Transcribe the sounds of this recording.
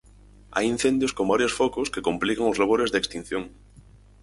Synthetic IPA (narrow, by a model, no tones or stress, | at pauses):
a̰jin̟θend̪joskombaɾjosfokoskekomplikaŋozlaβ̞oɾezðeːkst̪in̟θjoŋ